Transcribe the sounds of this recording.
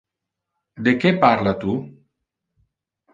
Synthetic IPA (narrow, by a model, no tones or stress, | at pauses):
d̪ekepaɾlat̪u